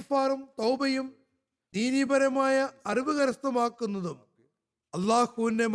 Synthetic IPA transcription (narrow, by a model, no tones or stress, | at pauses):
faːɾɐmt̪ɐwbɐjum | d̪iːnibɐɾɐmaːjɐɐriʋuɣɐɾɐst̪ɐmaːkːunːɐðum | ɐlːaːhuindem